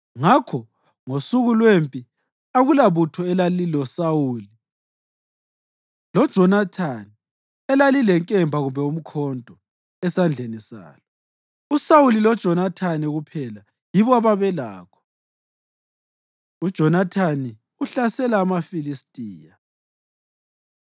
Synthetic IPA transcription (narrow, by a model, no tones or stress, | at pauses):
ŋakʰɔ | ŋosuɣulwempʼi | aɣulaβutʰɔɛlalilɔsawuːli | lɔd̥ʒ̥ʱɔnatʰani | ɛlalilɛŋkʼɛmbʱaɣumbʱɛum̩kʰɔndʱɔ | ɛsand͡ɮʱenisa̰ːlɔ | usawulilɔd̥ʒ̥ʱɔnatʰaniɣupʰɛla | jiβɔaβaβɛla̰ːkʰɔ̥ | ud̥ʒ̥ʱɔnatʰani | uɬasɛlaːmafilistʼiːja